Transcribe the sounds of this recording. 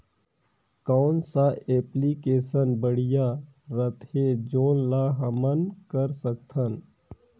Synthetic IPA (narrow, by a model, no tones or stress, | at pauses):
kaːnsaʔeːplikeːsənbəɽ̤ija | ɾət̪ed͡ʒoːnlaɦɐmənkəɾsək̚t̪ʰən